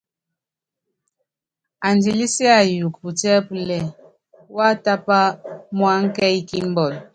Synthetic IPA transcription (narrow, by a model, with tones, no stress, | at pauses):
a˨nd͡ʒi˨li˦si˦a˨ju˨k̚pu˨tɛ˦plɛ˨ | wa˦ta˦pa˦mwa˦ŋ˦kɛ˦jki˦m˦bɔ˨l